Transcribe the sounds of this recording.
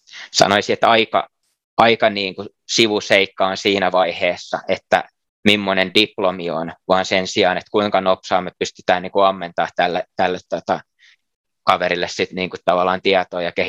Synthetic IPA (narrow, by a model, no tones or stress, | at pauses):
sɑ̰noisiet̪ɑikɑ̰ | ɑikɑniːŋku | siʋuseikːɑonsiːnæʋɑiheːsːɑ̰ʔet̪ːæ̰ | mimːonendiplomio̰nʋɑːnsensiɑːnet̪kuiŋkɑnopsɑːmːepyst̪y̥t̪æːnniːkuɑmːent̪ɑːht̪ælːet̪ælːet̪t̪ːot̪ɑ | kɑʋeɾilːessit̪niːŋkutt̪ɑʋɑlːˑɑːnt̪iɑt̪oːjɑke